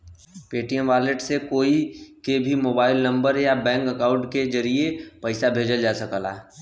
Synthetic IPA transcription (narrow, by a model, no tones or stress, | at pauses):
peːʈijə̃ʋaːleʈsekoːikebʱimoːbaːɪlnɐ̃mbəɾɦjabɛ̃ːŋkəkãʊ̃ɳʈked͡ʒɐɾiepɐɪsabʱeːd͡ʒəld͡ʒaːsəkəla̰ː